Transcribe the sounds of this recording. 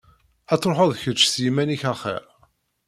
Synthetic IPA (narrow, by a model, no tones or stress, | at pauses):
æt͡sːɾˤoħoðˤçət͡ʃːθjimæniçæχḛɾ